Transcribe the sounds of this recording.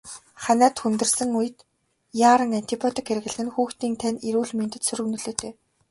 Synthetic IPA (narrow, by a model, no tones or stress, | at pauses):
χanæːt̪xunt̪ɵ̆rsɘ̆ŋujɘ̆t̪ | jaːɾə̆ŋant̪ʰipʰɔt̪ʰikxeɾɘ̆ɣɘ̆ɮɘ̆nxuːxt̪iːnt̪ʰæniɾuːɮment̪ɘ̆t̪sɵɾɵ̆ɣnɵ̆ɮoːt̪ʰeː